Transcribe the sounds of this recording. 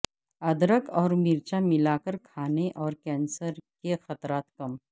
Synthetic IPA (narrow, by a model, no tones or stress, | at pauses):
ɐd̪ɾəkɔːɾmɪɾt͡ʃamɪlaːkəɾkʰaːneʔɔːɾkɛ̃ːnsəɾkexɐt̪ɾaːt̪kɐm